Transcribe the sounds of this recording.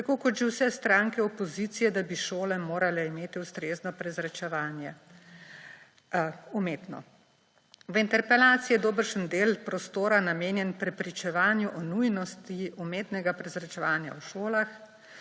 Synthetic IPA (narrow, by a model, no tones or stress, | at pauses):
t̪akoːkɔt̪ʒewsɛst̪ɾaːŋkɛɔpɔziːt̪sijɛd̪abiʃoːlɛmoːɾalɛimeːt̪iust̪ɾeːznɔpɾɛzɾɛt͡ʃɛʋanjɛ | umeːt̪nɔ̰ | ʋint̪ɛɾpɛlaːt̪sijɛd̪oːbəɾʃənd̪eːlpɾɔst̪oːɾanameːnjɛnpɾɛpɾit͡ʃɛʋaːnjuʔɔnujnɔst̪iumeːt̪nɛɡapɾɛzɾat͡ʃɛʋaːnja̰wʃoːlax